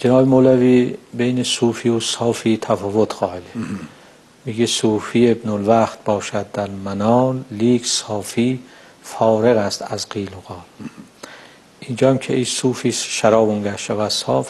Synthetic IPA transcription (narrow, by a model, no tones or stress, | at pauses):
d͡ʒenɒːbemolæviːbejnesuːfiːosɒːfiːt̪ʰæfɒːvot̪ʰxɒːhed̪e | miɡesuːfiːebnolvæxt̪̚bɒːʃæd̪̚d̪æɾmænɒːnliːksɒːfiː | fɒːɾeɣæst̪æzqiːloɣ̥ɒːl | ʔind͡ʒɒːmkʰḛʔisuːfiːsʃæɾɒːboŋɡæhʃævæd̪sɒːf